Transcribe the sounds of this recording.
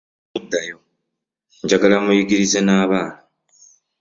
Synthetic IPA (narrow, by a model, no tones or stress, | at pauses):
udːajo | ɲɟaɡalamujiɡiɾizenaːβaːna